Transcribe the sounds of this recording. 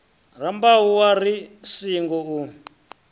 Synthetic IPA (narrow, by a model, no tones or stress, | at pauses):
r̤ambaɦuwarisiŋɡɔu